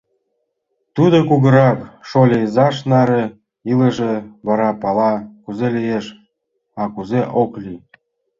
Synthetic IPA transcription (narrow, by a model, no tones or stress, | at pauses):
t̪ud̪okuɣə̆ɾɑpʃolʲejzɑʃnɑɾĕ | ilə̆ʒeβɑɾɑpɑlɑkuzelʲijeʃ | ɑkuzeʔoklʲi